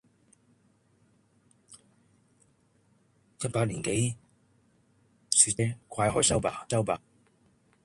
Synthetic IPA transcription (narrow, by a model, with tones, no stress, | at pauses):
jɐ˥t̚paː˧t̚liː˨˩nke˨˥˦j | syː˨˩ɛ˥kʰaː˧jhɔː˨˥sɐ˥wpa̰ː˧˩t͡sɐ˥wpaː˧